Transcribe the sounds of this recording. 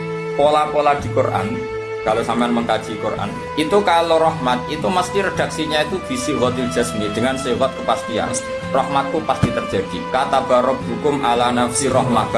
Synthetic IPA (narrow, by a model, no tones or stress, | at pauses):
polapolad̪̥i̤kurʔa̰n | kalosampaanməŋkḁʒ̥ikurʔa̰n | it̪ukaloɾɔhmat̪̚it̪uməst̪iɾed̪̥a̤ksiɲait̪ub̥i̤siwɔt̪il̥d͡ʒ̥ɛ̤smid̪̥əŋansiwɔt̪̚kəpast̪ia̰ | rɔhmat̪̚kupasd̪̥it̪ərd͡ʒ̥a̤d̪̥ikat̪ab̥aɾɔp̚ɦukʊmʔalanafsirɔhma̰